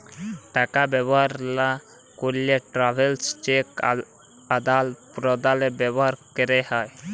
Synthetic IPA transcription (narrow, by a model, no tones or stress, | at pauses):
ʈakabɛbɔɦaɾla | koleʈɾabʱelst͡ʃek | ad̪alpɾɔd̪alɛbɛbɔɦaɾkɛɾɛhaj